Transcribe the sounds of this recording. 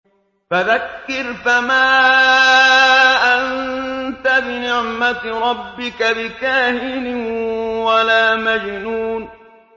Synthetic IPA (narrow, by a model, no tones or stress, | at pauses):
faðakːɪɾfamaː | ʔannt̪abɪnɪʕmaɾˤɑbːɪkabɪkaːhɪnɪwalaːmad͡ʒnuːn